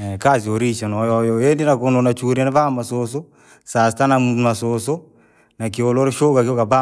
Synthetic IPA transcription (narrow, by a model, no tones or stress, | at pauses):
kazioɾiʃɔnɔjɔjɔjendinakononat͡ʃuɾenaβamasoso | sastanamasoso | nakioloɾʃokakokaba